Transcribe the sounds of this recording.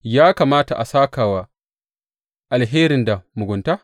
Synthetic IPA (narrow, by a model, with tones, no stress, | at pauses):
jaː˦kaː˨maː˦ta˨ʔa˨saː˦kaː˨wa˨ | ʔa˨lɦeː˦ɾɪ˨nda˨mʊ˨ɡʷʊ˨nta˦